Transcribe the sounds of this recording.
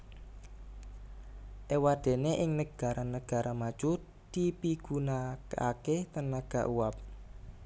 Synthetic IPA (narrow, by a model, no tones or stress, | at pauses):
ʔewad̪̥e̤neʔɪŋnəɡ̥a̤ɾʔanəɡ̥a̤ɾʔamad̥ʒ̥u | d̪̥ipiɡ̥unaa̰keht̪ənaɡ̥a̤̰ʔuwap̚